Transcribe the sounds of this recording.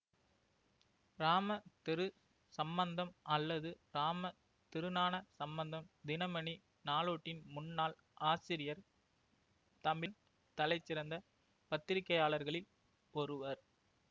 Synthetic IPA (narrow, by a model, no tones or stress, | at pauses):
ɾaːmɐt̪ɪɾɯ | sɐmbɐnd̪ɐmɐlːɐðɯɾaːmɐ | t̪ɪɾɯnaːnɐsɐmbɐnd̪ɐmd̪ɪnɐmɐɳi | naːloːʈːɪnmʊnːaːl | ʔaːsɪɾɪjɐɾ | t̪ɐmbɪn | t̪ɐlɐɪt͡ʃːɪɾɐnd̪ɐ | pɐt̪ːɪɾɪkːɐjaːlɐɾɣɐɭɪl | ɔɾɯʋɐɾ